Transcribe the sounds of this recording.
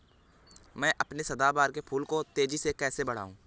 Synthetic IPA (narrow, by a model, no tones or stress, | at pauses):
mɛ̃ːʔɐpnesɐd̪aːbaːɾkepʰuːlkot̪eːd͡ʒisekɛːsebɐɽ̤a̰ːũː